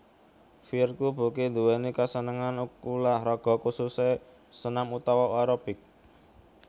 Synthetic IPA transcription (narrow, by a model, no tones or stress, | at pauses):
firkub̥ṳkend̪uwɛnikasənəŋanukulahɾɔɡ̥ɔ̤kususe | sənamut̪ɔwɔʔɔɾɔpɪk̚